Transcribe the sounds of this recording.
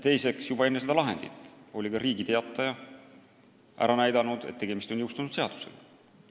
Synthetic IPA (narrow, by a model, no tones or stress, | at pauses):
t̪e̞jse̞ksjubɑe̞nːes̬ed̪ɑlɑɦe̞̰nd̪̥it̪ːˑo̞lʲikɑɾiːɡit̪e̞ɑt̪ːˑɑjɑ | ʔæ̰ɾɑnæjd̪ɑnud̪̥e̞̰t̪ːeɡemist̪onjɤwst̪unud̪̥se̞ɑd̪̥u̥sḛl